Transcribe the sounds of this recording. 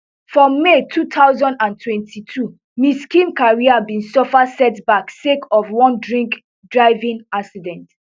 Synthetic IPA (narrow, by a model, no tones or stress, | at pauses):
fɹɔ̃mːetʰutʰaʊzɔ̃ndãntʰwɛ̃ntʰitʰu | miskĩmkaɹiabĩnsɔfasɛtbaksekɔfwɔ̃ndɹĩŋk | dɹaɪvĩŋaksidɛ̃nt